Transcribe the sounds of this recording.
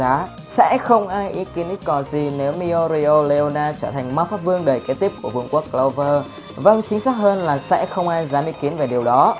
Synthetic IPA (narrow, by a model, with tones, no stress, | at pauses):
aː˨˦ | sɛ̰˧˥xə˧wŋ͡mʔaː˧jʔi˨˦ki˨˦ənʔi˦˥t̚kɔ˨˩zi˨˩ne˨˦wmi˧o˧ɾi˧o˧le˧ʔo˧naː˧t͡ɕəː˧˩t̪ʰa˨˩jŋ̟maː˦˥t̚faː˦˥p̚vɨ˧əŋɗəː˨˩jke˨˦t̪i˦˥p̚ku˧˩əvṵ˧əŋku˦˥əkːlə˧wvəː˧ | və˧˩nt͡ɕï˨˦ŋ̟saː˦˥k̚həː˧nlaː˨˩sɛ̰˧˥xə˧wŋ͡mʔaː˧jzaː˨˦mʔi˨˦˥ki˨˦ənve˨˩ɗi˨˩əwɗɔ˨˦